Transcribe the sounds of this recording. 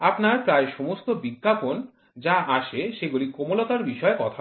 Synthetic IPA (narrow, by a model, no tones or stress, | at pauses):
apnaɾpɾaeʃɔmost̪obikːapon | d͡ʑaʔaʃeʃeɡulikomolot̪aɾbiʃɔekɔt̪ʰa